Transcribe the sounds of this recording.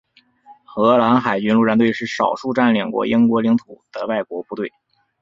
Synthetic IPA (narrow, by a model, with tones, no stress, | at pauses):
xɤ˧˥la˧˥nxa˨˩ɪt͡ɕy˧˥nlu˥˧ɻa˥nt̪we˥˧ɪʂɻ̩˥˩ʂɑ˨˩ʊʂu˥˧ʈ͡ʂa˥˩nljɑ˨˩ŋkwɔ̰˧˥ʔi˥ŋkwɔ˧˥li˧˥ŋt̪ʰu˨˩d̪̥ə˧wa˥˩ɪkwɔ˧˥pu˥˧t̪we˥˩ɪ